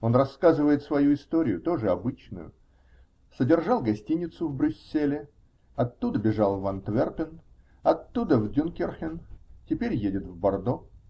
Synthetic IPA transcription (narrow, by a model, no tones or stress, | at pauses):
o̞nrɐskazɨvəjɪt̪svɐjuɪst̪o̞ɾʲɪjʊt̪o̞ʐɨɐbɨt͡ɕnʊ̰jʊ̰ | sədʲɪrʐɑlˠɡɐsʲtʲinʲɪt̪sʊvbɾʲʉsʲːelʲɪ | ɐt̪ːud̪əbʲɪʐɑlˠvɐnt̪vʲerpʲɪn | ɐt̪ːud̪əvdʲʊnkʲɪrxʲɪntʲɪpʲeɾʲjedʲɪt̪vbɐrd̪o̞